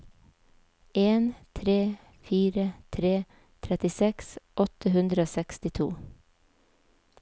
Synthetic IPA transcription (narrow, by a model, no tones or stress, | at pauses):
eːnt̪ʰɾeː | fiːɾət̪ʰɾeː | t̪ʰɾɛt̪ɪsɛksʔɔt̪ʰəhʉnd̪ɾəoːsɛkst̪ɪt̪ʰṵː